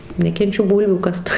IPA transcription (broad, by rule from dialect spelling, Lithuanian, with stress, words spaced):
nʲɛkʲɛnʲˈt͡ʃʲʊ ˈbuːlʲʋʲuː ˈkɐst